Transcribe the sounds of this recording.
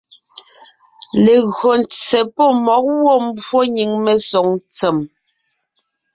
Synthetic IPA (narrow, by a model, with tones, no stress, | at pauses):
le˨ɣɰo˨n̩˨t͡sɛ˨pɔ˦˨mɔ˨˦k̚wɔ˦˨m̩˦bwo˦ɲi˨ŋme˨sɔ˨ŋt͡se˨m